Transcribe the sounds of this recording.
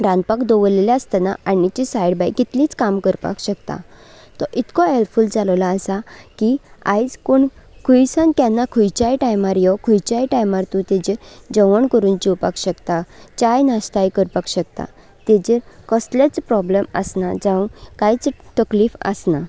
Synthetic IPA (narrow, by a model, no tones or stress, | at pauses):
ɾãnd̪̚pakd̪oʋəleljaːst̪ana̰aɽ̃it͡ɕisajɽbajkit̪liːt͡skamkəɾpa̰kɕəkt̪a̰ | t̪ɔʔit̪kɔelfuld͡zalʋlaːsakia̰jd͡zkoɳkʰujsãnkjanːakʰujt͡ɕajʈajmaɾjɔkʰujt͡ɕajʈajmaɾt̪ũt̪ed͡ʑeɾd͡ʑəʋəɳkəɾuːnd͡ʑiwpa̰kɕəkt̪at͡ɕajnast̪ajkəɾpakɕəkt̪a̰ | t̪ed͡ʑeɾkɔslat͡spɾɔblemə̰snad͡zãũkajt͡st̪əkliːfə̰sna